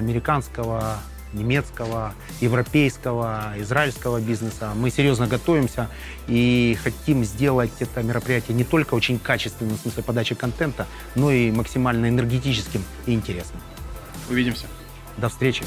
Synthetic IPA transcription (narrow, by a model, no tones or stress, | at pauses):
ɐmʲɪɾʲɪkanskəvə | nʲɪmʲe̞t̪skəvə | jɪvɾɐpʲejskəvəɪzraɪlʲskəvəbʲiznɨsəmɨsʲɪɾʲjo̞znəɡɐt̪o̞vʲɪmsʲə | ixɐtʲimzʲdʲe̞lˠətʲɛt̪əmʲɪɾəpɾʲɪjætʲɪjənʲɪt̪o̞lʲkəo̞t͡ɕɪnʲkat͡ɕɪst̪vʲɪnːɨmsmɨsʲlʲɪpɐd̪at͡ɕɪkɐnt̪ɛnt̪ə | no̞iməksʲɪmalʲnəɪnɨrɡʲɪtʲit͡ɕɪskʲɪm | iɪnʲtʲɪɾʲe̞snɨm | ʊvʲidʲɪmsʲə | d̪ɐfst̪ɾʲet͡ɕɪ